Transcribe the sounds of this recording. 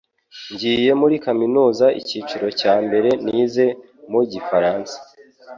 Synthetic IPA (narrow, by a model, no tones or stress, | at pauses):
ɲɟiːje̞muɾikaminuːzaʔḭciːt͡ʃiɾo̞caːmbe̞ɾe̞niːze̞ | muɟifaɾaːnsḁ